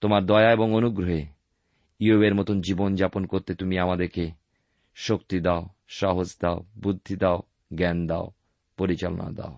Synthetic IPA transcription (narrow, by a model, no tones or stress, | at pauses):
t̪omaɾd̪ɔeaeboŋonuɡɾoɦe | iobeɾmɔt̪ond͡ʑibond͡ʑaponkoɾt̪et̪umiamad̪eɾke | ʃokt̪id̪ao | ʃaɦod͡ʑd̪aobud̪ʱːid̪ao | ɡɛnd̪ao | poɾit͡ɕalo̰na̰d̪a̰o